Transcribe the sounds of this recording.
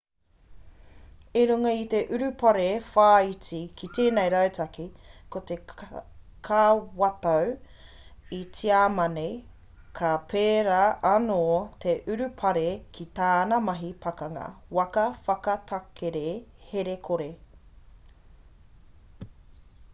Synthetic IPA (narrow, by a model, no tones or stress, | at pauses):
iɾʉŋɐit̪e̞ʔʉɾʉpɐɾefaːit͡sikʰit̪eːnejɾɐwtʰɐkikot̪e̞ | kʰaːwɐt̪ɐw | it͡siaːmɐnej | kʰapʰeːɾaʔɐnoːt̪ʰeʔʉɾʉpʰɐɾekʰit̪aːnɐmɐɦipʰɐkɐŋɐ̰wɐkɐfɐkɐt̪ʰɐkʰeɾeheɾekʰoɾe